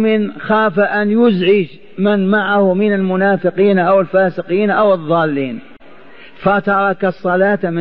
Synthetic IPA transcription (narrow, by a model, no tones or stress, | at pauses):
mɪnxaːfaʔanjʊzʕɪd͡ʒ | mɪnmaʕahʊmɪnalmʊnaːfɪqiːnʔawɪlfaːsɪqiːnʔawɨðˤːɑːlːiːn | fat̪ɑɾˤɑkɑsˤːɑlaːt̪amɪ